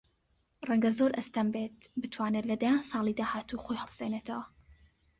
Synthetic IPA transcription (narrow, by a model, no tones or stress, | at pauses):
rɛŋɡɐzoɾʔɐst̪ɐmbet̪bɨt̪ʰwaːnet̪lɐd̪ajaːnsɑːlˠid̪aːhaːt̪uχoːjhɛlˠseneːt̪ʰɐwɐ